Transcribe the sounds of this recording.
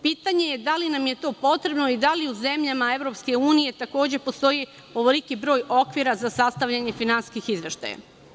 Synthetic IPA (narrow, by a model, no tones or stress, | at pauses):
piːt̪aɲe̞je̞d̪alinamje̞t̪o̞ːpo̞t̪ɾe̞bno̞id̪aliuze̞mʎamae̞ʋɾo̞pske̞uːnije̞t̪ako̞ːd͡ʑe̞po̞st̪o̞ji | oʋolikibɾo̞ːjo̞kʋiɾazasast̪aʋʎaɲe̞finanskixizʋe̞ʃt̪a̰ja̰